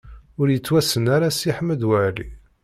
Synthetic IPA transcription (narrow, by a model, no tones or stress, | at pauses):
ʊɾjət͡sːwæsənaɾasiħməd̪wæʕlḭ